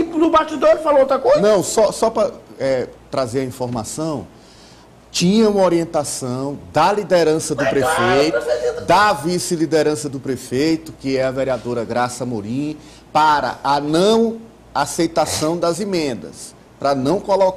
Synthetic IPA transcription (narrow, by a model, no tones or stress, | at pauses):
ɪnʊbaʃt͡ʃ̪id̪oɾfaloot̪ɾɐkojznɐ̃w̃sɔsɔpɾɐɛt̪ɾazeɾɐĩfɔɾma̰sɐ̃w̃ | t͡ʃĩɲɐũmɐoɾiẽnt̪asɐ̃w̃d̪ɐlid̪ɛɾɐ̃sɐd̪ʊpɾefejt̪ʊd̪ɐvisɪlid̪eɾɐ̃sɐd̪ʊpɾefejt̪ʊkɪɛɐveɾiad̪oɾɐɡɾasɐmoɾĩ | paɾɐ̰ʔɐnɐ̃w̃ | asejt̪asɐ̃w̃d̪ɐzimẽnd̪ɐ̰s | pɾɐnɐ̃w̃kɔlɔk